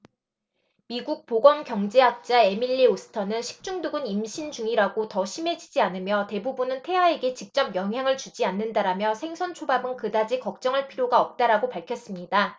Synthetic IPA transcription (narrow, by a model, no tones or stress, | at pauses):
miɡuk̚poɡwʌnkjʌŋd͡ʑeɦak̚t͡ɕ͈ae̞miʎːiosʰɯ̥tʰʌnɯnɕʰi̥k̚t͡ɕ͈uŋduɡɯnimɕʰind͡ʑuŋiɾaɡotʌɕʰime̞d͡ʑid͡ʑianɯmjʌte̞bubunɯntʰe̞wae̞ɡe̞t͡ɕik̚t͡ɕ͈ʌpjʌŋɦjaŋɯɭt͡ɕud͡ʑianːɯndaɾamjʌsʰe̞ŋsʰʌnt͡ɕʰobabɯnkɯdad͡ʑikʌk̚t͡ɕ͈ʌŋɯɭpʰiɾjoɡaʌp̚t͈aɾaɡopaɭkʰjʌs͈ɯmɲida